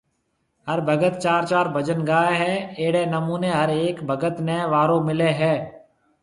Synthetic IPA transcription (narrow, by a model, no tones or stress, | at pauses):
ɦəɾbʱəɡət̪̚t͡ʃaːɾt͡ʃaːɾbʱəd͡ʒənɡaːaɦɛːeːɽeːnəmuːneɦəɾeːkbʱəɡət̪neːʋaːɾõːmɪleːɦɛː